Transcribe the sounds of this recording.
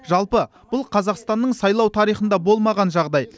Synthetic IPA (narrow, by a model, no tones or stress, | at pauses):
ʒɑlˠpə | b̥ʊlˠqʰɑzɑqst̪ɑnːəɴsɑjlˠɑwt̪ʰɑɾijχənd̪ɑbo̞lˠmɑʁɑnʒɑʁd̪ɑj